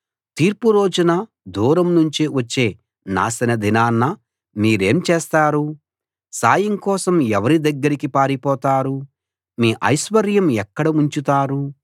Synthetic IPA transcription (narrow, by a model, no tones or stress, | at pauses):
t̪iːɾpuɾo̞ːd͡ʒunɐ | d̪ʱuːɾɐmnuɲt͡ʃiʋɐt͡ʃːe̞ː | na̰ːsɐnɐd̪ʱinaːnːɐ | miːɾe̞ːmt͡ʃeːst̪aːɾu | saːjɐŋkɔːsɐmɛʋɐɾid̪ɐɡːɐɾikipaːɾipɔːt̪aːɾu | miːʔɐjʃʋɐɾjɐmɛkːɐɽɐuɲt͡ʃut̪aːɾu